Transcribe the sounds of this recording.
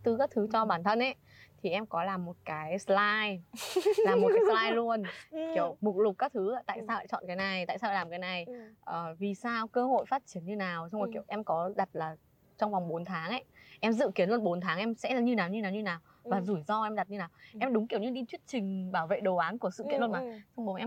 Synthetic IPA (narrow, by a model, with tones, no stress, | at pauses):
t̪ɨ˧˩kaː˦˥k̚t̪ʰɨ˨˦t͡ɕɔ˧ɓaː˧˩nt̪ʰə˧nʔe˧˦ | t̪ʰi˨˩ʔɛ˧mkɔ˨˦laː˨˩mːo˨˩t̚kaː˨˦jslaː˧j | laː˨˩mː˨˩˨kaː˨˦slaː˧jlu˧ənki˧˩ə˩wmʊ˨˩k̚lʊ˨˩k͡p̚kaː˦˥k̚t̪ʰɨ˨˦aː˧˩t̪a̰ː˧˨jsaː˧wa̰˧˥˩t͡ɕɔ̰˧˨nkaː˨˦jna˨˩jt̪a̰ː˧˨jsaː˧a˧˩lːaː˨˩mkaː˨˦jna˨˩jʔəː˨˩vi˨˩saː˧wkəː˧ho̰˧˨jfaː˦˥t̚t͡ɕi˨˦ənɲɨ˧naː˨˩wt͡ɕɔ˧wŋ͡mki˧˩əwʔɛ˧mkɔ˨˦ɗa˨˩t̚laː˨˩ | t͡ɕɔ˧ŋ͡mvwŋ͡mɓo˨˦nt̪ʰaː˨˦ŋʔa˧˦ʔɛ˧mzɨ̰˧˨ki˨˦ənlu˧ənɓo˨˦nt̪ʰaː˨˦ŋʔɛ˧msɛ̰˧˥˨ɲɨ˧naː˨˩wɲɨ˧naː˨˩wɲɨ˧naː˨˩w | vaː˨˩zu˧˩jzɔ˧ʔɛ˧mɗa˨˩t̚ɲɨ˧naː˨˩wʔɛ˧mɗʊ˨˦ŋ͡mki˧˩əwɲɨ˧ɗi˧t̪ʰwi˦˥ət̚t͡ɕï˨˩ŋ̟ɓaː˧˩wvḛ˧˨ɗo˨˩ʔaː˨˦nku˧˩əsɨ̰˧˨ki˧˦ənlmaː˨˩sɔ˧ŋ͡mɓo˨˦ʔɛ˧